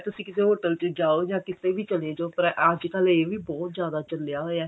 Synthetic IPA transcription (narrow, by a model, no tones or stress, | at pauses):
t̪ʊsĩːkɪseːɦoːʈəlt͡ʃəd͡ʒaːoːd͡ʒãːkɪst̪eːʋʱiːt͡ʃəled͡ʒoːpəɾəd͡ʒkəleːʋiːbɔːt̪zjaːd̪aːt͡ʃəljaːɦoːɛː